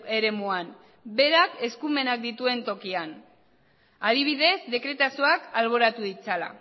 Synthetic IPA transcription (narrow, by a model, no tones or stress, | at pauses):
e̞ɾe̞muan | be̞ɾake̞skume̞nak̚d̪it̪ue̞nt̪o̞kian | aðiβ̞iðe̞zd̪e̞kɾe̞t̪asioakalβ̞o̞ɾat̪uðit͡sala̰